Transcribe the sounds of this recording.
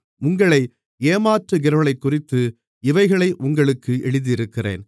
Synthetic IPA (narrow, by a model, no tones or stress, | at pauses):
ʊŋɡɐɭɐɪ | eːmaːʈrɯɡɪɾɐɭɐɪkːʊrɪt̪ːɯ | ɪʋɐɪɣɐɭɐɪʔʊŋɡɐɭɯkːɯʔɛɻɯðijɪɾɯkːɪrḛːn